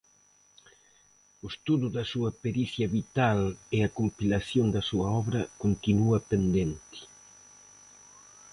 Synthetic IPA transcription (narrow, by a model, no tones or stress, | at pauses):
ʊst̪uðuðɐsuɐpeɾiθjɐβit̪alɪɐkompilasjond̪ɐsuɐɔβɾɐkont̪inuɐpend̪ent̪i̥